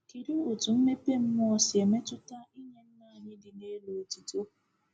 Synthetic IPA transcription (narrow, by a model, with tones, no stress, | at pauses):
ki˨ɾi˦ʊ˨tu˨m̩˦me˦pe˦m̩˦m˦ɔ˦sɪ˨e˨me˦tʊ˦ta˦i˦ɲe˨n̩˦na˨a˨ɲɪ˦dɪ˨ne˦lo˨ti˨to˦˨